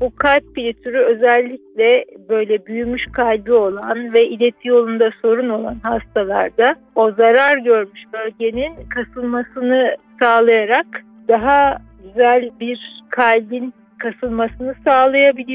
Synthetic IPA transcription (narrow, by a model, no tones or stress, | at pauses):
bukʰalʲp̚bilʲit̪ʰyɾyø̞zɛlʲːiclʲɛbø̞jlʲɛbyjymyʃkʰalʲbio̞lˠanvɛʔilʲe̞t̪ʰijo̞lˠund̪aso̞ɾuno̞lˠanɦast̪ʰalˠa̰ɾd̪a | o̞zaɾaɾɟø̞ɾmyʃbø̞lʲɟe̞ninkʰasɯlˠmasɯnɯsaːlˠajaɾak | d̪̥aɦaɟyzælʲbiɾkʰalʲbin | kʰasɯlˠmasɯnɯsaːlˠajabilʲi